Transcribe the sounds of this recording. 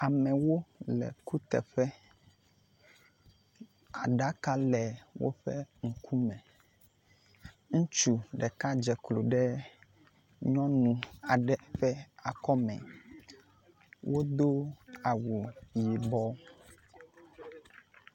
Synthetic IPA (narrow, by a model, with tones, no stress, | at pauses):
a˨mɛ̃˨wo˦lɛ̰˨ku˦t̪ɛ̰˨ɸɛ˦ | a˨ɖa˦ka˦lɛ˨wo̰˦ɸɛ˦ŋ̩˨kʰu˦mɛ̃˨ | ŋũ˦t͡ʃu˦ɖɛ˨ka˦d͡ʒɛ˨klo˨ɖɛ˦ | ɲɔ̃˦nũ˨a˨ɖɛ˦ɸɛ˦a˨kɔ˦mɛ̰̃˨ | wʔo˦d̪o˦a˨wu˨ji˨bɔ˦